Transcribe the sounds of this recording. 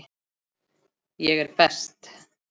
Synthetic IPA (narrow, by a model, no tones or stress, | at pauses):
jɛɣɛɾpɛst̪